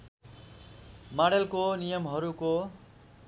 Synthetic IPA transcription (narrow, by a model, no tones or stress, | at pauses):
maɽelkonijʌmɦʌɾuko